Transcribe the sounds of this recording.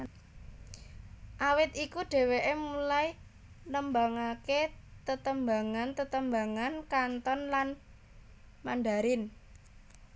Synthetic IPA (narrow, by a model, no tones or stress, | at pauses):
ʔawɪt̪ikuɖ̥e̤weʔemulai | nəmbaŋaket̪ət̪əmbaŋant̪ət̪əmbaŋankant̪ɔnlan | manɖaɾɪn